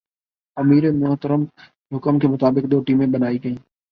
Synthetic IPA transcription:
ɐmiːɾemʊɦt̪əɾəm | ɦʊkəmkʰeːmʊt̪aːbɪk̚d̪oːʈiːmẽːɓənaːiːkəĩː

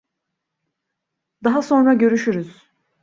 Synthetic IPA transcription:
d̪aɦaso̞nɾaɟø̞ɾyʃyɾyz̥

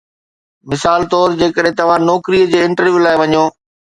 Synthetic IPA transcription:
mɪsaːlt̪ɔːɾd͡ʑeːkəɗɦɪ̃t̪ɐʋ̤ãnɔːkɾiəd͡ʑeːɪ̃ɳʈəɾʋjuːlaːɪʋɐɲoː

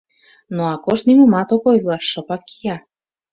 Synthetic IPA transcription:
noɑkoʃnimumɑt̪okojlɑʃːɤ̆pɑkːijɑ

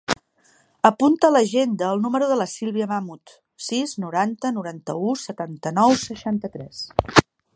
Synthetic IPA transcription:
əpunt̪ələʒend̪əːlˠnuməɾuðələsilˠβiəmamut̪ | siznuɾant̪ənuɾant̪əusət̪ant̪ənɔwsəʃant̪ət̪ɾɛs

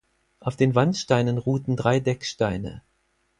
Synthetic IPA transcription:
ʔaʊfd̥eːnvantʃtaɪnənʁuːtn̩dʁaɪdɛkʃtaɪnə̰

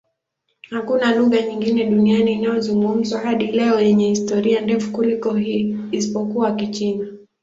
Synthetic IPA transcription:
hakunaluɣaɲiŋɡinɛɗunianiːnajɔzuŋɡum̩zwahaɗilɛɔjɛɲɛhistɔɾiandɛfu̥kulikɔiisipɔkuakit͡ʃina

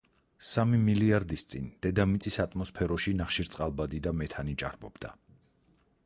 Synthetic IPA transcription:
samimiliaɾd̪ist̪sʼind̪̥ɛd̪amit̪sʼisat̪ʼmɔspʰɛɾɔʃinaχʃiɾt̪sʼqʼalˠbad̪id̪amɛt̪ʰanit͡ʃʼa̰ɾbɔbd̪a

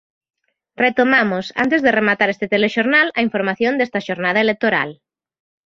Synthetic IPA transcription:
ret̪omamosa̰nt̪ezðeremat̪aɾest̪et̪eleʃoɾnalɐiɱfoɾmaθjõnd̪est̪ɐʃoɾnað̞ɐelek̚t̪oɾa̰l

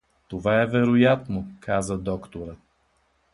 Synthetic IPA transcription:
t̪ovaɛvɛɾojat̪nokʰazəd̪ɔkt̪oɾə

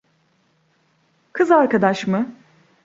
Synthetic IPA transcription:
kʰɯzaɾkad̪aʃmɯ

